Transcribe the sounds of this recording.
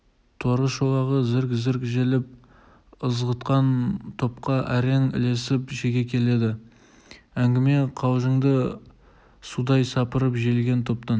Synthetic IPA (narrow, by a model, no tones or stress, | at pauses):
t̪ʰwoɾəsʃolˠɑʁəzɪɾkʲzɪɾkʲʒelɪp̚ | əzʁət̪qɑnt̪ʰo̞p̚qɑʔæɾeŋɪ̰le̞sɪpʒeɡʲe̞kʲʰe̞le̞d̪ɪ | æŋɡʲɪme̞qʰɑwʒəɴd̪ə | sud̪ɑjsɑpəɾəpʒelɡʲe̞nt̪ʰo̞p̚t̪ɑn